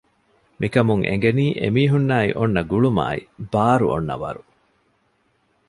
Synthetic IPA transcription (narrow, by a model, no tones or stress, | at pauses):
mikɐmuŋʔḛŋ̆ɡeniːʔemiːɦunːaːḭʔonːɐɡuɭuma̰ːibaːɾṵʔo̰nːɐ̰ʋɐ̰ɾu